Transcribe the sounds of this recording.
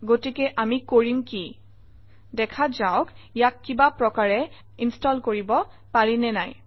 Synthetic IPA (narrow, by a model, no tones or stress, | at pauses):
ɡotikɛʔamikoɹimki | dɛkʰazaʊkijakːibapɹɔkaɹɛ | instɔlkoɹibɔ | paɹinɛnaj